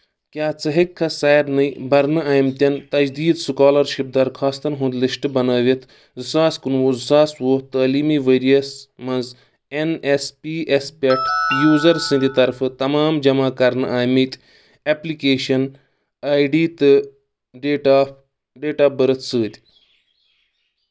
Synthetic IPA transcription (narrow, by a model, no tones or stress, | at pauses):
kʲjaːt͡sɐɦikʰːɐsaːjɾnɨjbɐɾnɨaːjmt̪ʲɐnt̪ɐd͡ʒd̪iːd̪sɨkaːlɐɾʃip̚d̪ɐɾkʰaːst̪ɐnɦũnd̪lisʈɨbɐnɐːʋit̪ʰ | zɨsaːskɨnʋoːzɨsaːsʋoːht̪aːliːmiʋeːɾijɐsmɐ̃nz | enespiːʔespʲeʈʰjuːzɐɾsɨ̃nd̪it̪ɐɾfɨt̪ɐmaːmd͡ʒɐmaːkɐɾnɨʔaːjmit̪ʲ | eplikeːʃɐn | aːjɖiːt̪ɨ | ɖʈa | ɖeːʈaːbɨɾɨt̪ʰsɨːd̪ʲ